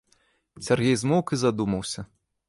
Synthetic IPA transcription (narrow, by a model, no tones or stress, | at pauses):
sʲarɣʲɛjzmɔwkɨzad̪umɐwsʲɐ